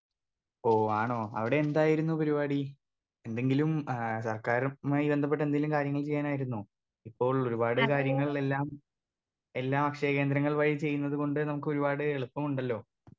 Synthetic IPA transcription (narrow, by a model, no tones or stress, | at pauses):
oːaːɳo̞ːɐ̰ʋiɽe̞ːnd̪aːjiɾunːupɐɾibaːɽi | e̞nd̪e̞ŋɡilumsɐrkaːɾmaːjibe̞nd̪ʱɐp̬ːeʈ̬ːe̞nd̪eŋilumkaːɾjɐŋːɐɭt͡ɕe̞jːaːnaːjiɾunːu | ipːo̞ːɭo̞ɾubaːɽɨkaːɾjɐŋːɐɭe̞lːaːm | e̞lːaːmɐkʂeke̞ːnd̪ɾɐŋːɐɭʋɐɻit͡ɕe̞jːunːɐðuko̞ɳɖɨnɐmuk̬ːɨo̞ɾubaːɽɨeɭupːɐmuɳɖɐlːo̞ː